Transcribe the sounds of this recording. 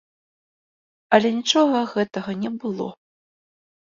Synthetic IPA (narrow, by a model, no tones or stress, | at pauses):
ɐlʲɛnʲit͡ʂɔɣɐɣɛt̪ɐɣɐnʲɛbɨlˠɔ̰